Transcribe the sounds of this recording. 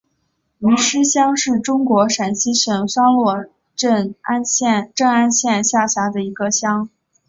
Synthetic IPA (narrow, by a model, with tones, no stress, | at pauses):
i˧˥ʂɻ̩˥ɕjɑ˥ŋʂɻ̩˥˩ʈ͡ʂʊ˥ŋkwɔ˧˥ʂa˨˩nɕi˥ɕɛ˨˩nsɑ˥ŋlwɔ˥˧ | ʈ͡ʂə˥˧na˥nɕjɛ˥˧nʈ͡ʂɤ˥˩ŋa˥nɕjɛ˥˧nɕja˥˩ɕja˧˥d̪ə˧i˧˥ɡə˧ɕjɑ˥ŋ